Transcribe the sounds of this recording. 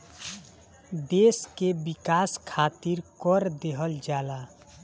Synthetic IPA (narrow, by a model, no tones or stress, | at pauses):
d̪eskebikaskʰat̪iɾkɔɾd̪eɦəld͡ʒala